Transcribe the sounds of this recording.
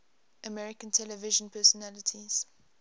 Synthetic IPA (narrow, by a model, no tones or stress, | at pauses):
ʔəmɛɹɪkə̃ntʰɛlɛvɪʒə̃npʰɛsɔnalɪtʰiz̥